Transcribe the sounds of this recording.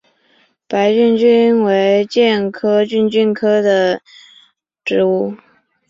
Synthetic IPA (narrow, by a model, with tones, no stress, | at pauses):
pa˧˥ɪt͡ɕy˥˩nt͡ɕy˥nnwe˧˥ɪt͡ɕjɛ˥˩nkʰɤ˥t͡ɕy˥˧nt͡ɕy˥nkʰɤ˥d̪ə˨ | ʈ͡ʂɻ̩˧˥u˥˩